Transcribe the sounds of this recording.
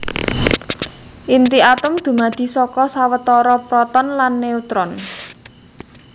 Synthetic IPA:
ʔint̪iat̪ʊmd̪̥ṳmad̪̥i̤sɔkɔsawət̪ɔɾɔpɾɔt̪ɔnlanːeut̪ɾɔn

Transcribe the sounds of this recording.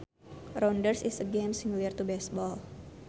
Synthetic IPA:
rɔndərsisəɡemsiŋliərt̪ubɛs̚bɔl

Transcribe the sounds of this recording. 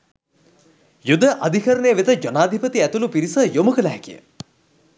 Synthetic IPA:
jud̪əʔad̪ʱikəɾənəjəʋet̪əd͡ʒonaːd̪ʱipət̪iæt̪ulupiɾisəjomukələɦɛkijə̰

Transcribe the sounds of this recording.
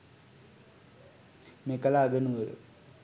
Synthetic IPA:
mikɐlaːɡɐnuɾṵ

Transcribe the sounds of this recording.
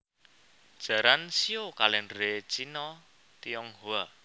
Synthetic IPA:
d̥ʒ̥a̤ɾansiokalɛnɾet͡ʃinɔ | t̪iɔŋhua

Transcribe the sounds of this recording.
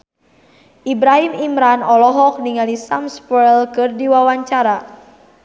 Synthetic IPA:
ʔibɾaɦimimɾanɔlɔɦɔk̚niŋalisamspɛlkɨrdiwawaɲt͡ʃaɾa

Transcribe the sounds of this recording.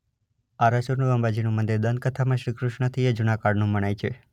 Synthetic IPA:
aɾasuɾnuʋəmbad͡ʒinũmənd̪iɾd̪ən̚kət̪ʰamãʃɾikɾuʃɳət̪ʰied͡ʒunakaɽnũməɳ̃ajt͡ʃʰe

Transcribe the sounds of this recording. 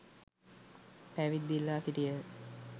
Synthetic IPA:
pæʋid̪ːilːaːsiʈijə

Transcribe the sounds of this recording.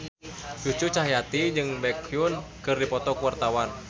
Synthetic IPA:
t͡ʃut͡ʃut͡ʃaɦijat̪iɲd͡ʒɨŋbɛkʰjunkɨrdipɔt̪ɔkuwart̪awan

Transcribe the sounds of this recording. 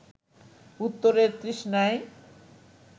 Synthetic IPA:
ut̪ːoɾeɾt̪ɾiʃnae

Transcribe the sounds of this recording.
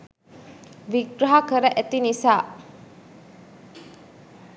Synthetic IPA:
biɡɾɐɦakʰɐɾɐʔet̪inisa

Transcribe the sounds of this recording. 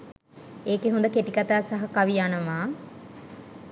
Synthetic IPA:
eːkeɦund̪əkeʈikɐt̪aːsɐɦɐkɐʋijaːnɐmaː

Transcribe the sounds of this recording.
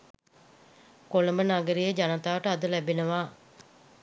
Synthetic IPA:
koləmbənaɡəɾijəd͡ʒanət̪aːʋəʈəad̪əlæbenəʋaː

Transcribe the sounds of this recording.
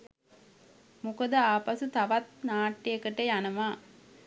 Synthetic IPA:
mukəd̪əaːpasut̪aʋat̪̚naːʈːijekəʈejanɐʋaː

